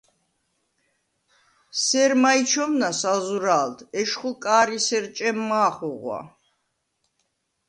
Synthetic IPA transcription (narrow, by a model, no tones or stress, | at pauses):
sɛɾmait͡ʃʰɔmnasazuɾaːlt̪ʰɛʃχukʼaːɾisɛɾt͡ʃʼɛmːaːχuʁwa̰